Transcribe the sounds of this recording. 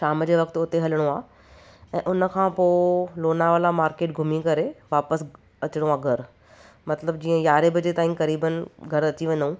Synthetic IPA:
ʃaːmd͡ʑeʋɐkt̪ʊt̪eɦɐlɽ̃oaː | ɛ̃ːʔʊnə̆kʰãːpoːloːnaʋəlamaːɾkeːʈ̚ɡʱʊmikɐɾeʋaːpəs | ɐt͡ɕɪɽ̃õaːɡʱɐɾ | mɐt̪ləb̚d͡ʑĩːə̃jaːɾebɪd͡ʑet̪aːĩkɐɾiːbənɡʱɐɾɐt̪iʋɐ̃nd̪ũː

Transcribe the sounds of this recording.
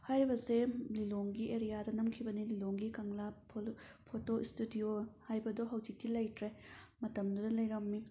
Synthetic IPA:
hajɾibɐseliloŋɡiʔeɾijadɐnɐmkʰibɐnililoŋɡikɐŋla | pʰotoistudiohajbɐdoɦɐwd͡ʒik̚tilɐjtɾemɐtɐmdudɐlɐjɾɐmːi

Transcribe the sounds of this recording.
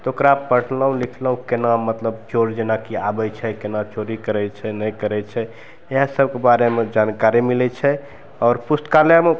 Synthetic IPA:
t̪ɔokɾaːpːəɽ̤ləɦũlikʰləɦũkenamət̪ləb̚t͡ʃoɾd͡ʒenakiabɛt͡ʃʰɛkenat͡ʃoɾikəɾɛt͡ʃʰɛnɛjkəɾɛt͡ʃʰɛ | eɦãsəb̚kebaɾemed͡ʒankaɾimilɛt͡ʃʰɛ | ɔːɾpust̪kalame

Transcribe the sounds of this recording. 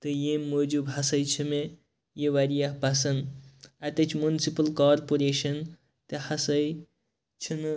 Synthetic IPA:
t̪ɨjemmːod͡ʒubɦɐsɐjt͡ʃʰime | jeʋaɾijaɦpasɐnat̪ɐt͡ʃʰmunisipɐlkaːɾpoɾeːʃɐn | t̪ɐhɐsɐj | t͡ʃʰin

